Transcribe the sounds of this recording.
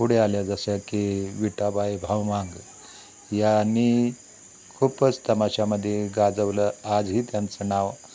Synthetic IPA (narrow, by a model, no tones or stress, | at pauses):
puɽealjad͡zəsjakiʋiʈabajbʱawʋãŋɡ | jani | kʰuːpət͡st̪əmaɕaməd̪ʱːjeɡad͡zəʋləad͡zɦiːt̪jant͡sənaʋ